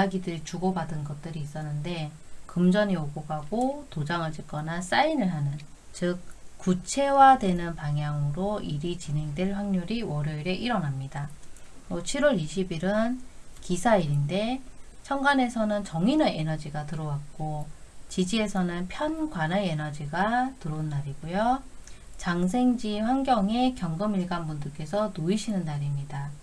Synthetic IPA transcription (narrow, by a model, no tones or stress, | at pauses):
aɡidɯɾit͡ɕuɡʌbadɯnɡʌt̚t͈ɯɾiːs͈ʌnːɯnde̞ | kɯmd͡ʑʌnioɡoɡaɡotod͡ʑaŋɯɭt͡ɕɯk͈ʌnas͈ainɯɭɦanɯn | t͡ɕɯk̚k͈ːut͡ɕʰe̞wadwe̞nɯnpaŋjaŋɯɾoiɾit͡ɕine̞ŋdwe̞ɭɸwaŋɲoɾiwʌɾjoiɾe̞ʔiɾʌnamɲidaot͡ɕʰiɾwʌɾiɕʰibiɾɯnkisʰaiɾinde̞t͡ɕʰʌŋɡane̞sʰʌnɯnt͡ɕʌŋinɯe̞nʌd͡ʑiɡatɯɾʌwak̚k͈ot͡ɕid͡ʑie̞sʰʌnɯnpʰjʌnɡwanae̞nʌd͡ʑiɡatɯɾonːaɾiɡujo | t͡ɕaŋs̬ʰe̞ŋd͡ʑiɸwaŋɡjʌŋe̞kjʌŋɡɯmiɭɡanbundɯɭk͈e̞sʰʌnoiɕʰinɯnːaɾimɲida